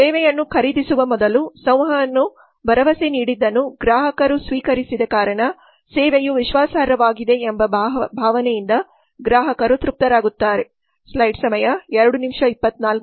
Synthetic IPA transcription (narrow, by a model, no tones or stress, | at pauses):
sɛːʋɛjɐnːukʰɐɾid̪isuʋɐmɔd̪ɐlusɐ̃w̃ɦɐɐnːu | bʱɐɾɐʋɐseniːɽid̪ːɐnːuɡɾaːɦɐkɐɾusʋiːkɐɾisid̪ɐkaːɾɐɳɐ | seːʋejuʋiʃʋaːsaːɾɐʋaːɡid̪e̞ːmbɐbʱaːʋɐnɛjind̪ɐ | ɡɾaːɦɐkɐɾut̪ɾup̚t̪ɐɾaːɡut̪ːaːɾe̞ | slɐjɖsɐmɐjɐɛɾɐɽunimʂɐipːɐt̪ːnaːlk